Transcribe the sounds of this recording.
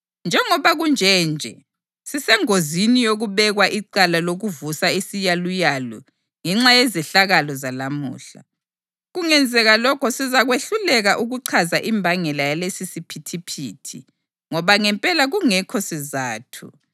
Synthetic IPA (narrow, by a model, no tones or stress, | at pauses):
nd͡ʒʱɛŋɔβaɣund͡ʒʱɛnd͡ʒʱɛ̰ | sisɛŋozinijoɣuβɛɣwaʔiǀalaloɣuvusaisijalujalɔ̰ | ŋɛŋ͡ǁajɛzɛɬaɣalɔzalamṵːɬa | ɣuŋɛnd͡zʱɛɣalɔkʰɔsizaɣweɬulɛɣaʔuɣuǀʰazaʔimbʱaŋɛlajalesisipʰitʰipʰḭːtʰḭ | ŋɔβaŋɛmpʼɛlaɣuŋɛkʰɔsizaːtʰṵ